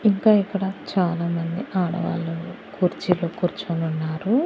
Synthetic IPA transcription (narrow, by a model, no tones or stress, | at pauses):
iŋkaːikːɐɽɐt͡ʃaːlaːmɐnd̪iʔaːɽɐ̰ʋa̰ːlu | kuːɾt͡ʃiloːkuːɾt͡ʃununːaːɾu